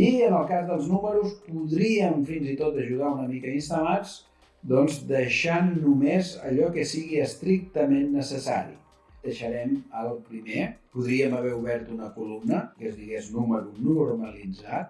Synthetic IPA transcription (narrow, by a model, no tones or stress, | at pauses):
iənəlˠkazðəlˠznuməɾuspuðɾiəmfinzit̪ot̪əʒuð̞aunəmikəinst̪əlad͡z | d̪ɔnzd̪əʃanːumezəʎɔkəsiɣiəst̪ɾik̚t̪əmenːəsəsa̰ɾḭ | d̪̥əʃəɾɛməlˠpɾimepuðɾiəməβɛuβɛɾt̪unəkulumnəkəzðiɣeznuməɾunuɾməlid͡zat̪̚